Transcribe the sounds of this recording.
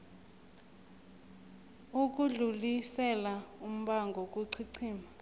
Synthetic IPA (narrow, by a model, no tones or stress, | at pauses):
uk̬ʼuɮulisɛlaum̩ɓaŋɡʱɔk̬ʼuǀʰiǀʰiːma